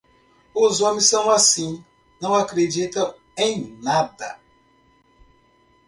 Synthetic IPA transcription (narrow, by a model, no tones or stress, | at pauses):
uzoɐmisɐ̃w̃asĩ | nɐ̃w̃akɾed͡ʒit̪ɐ̃ | ẽj̃nad̪ɐ̰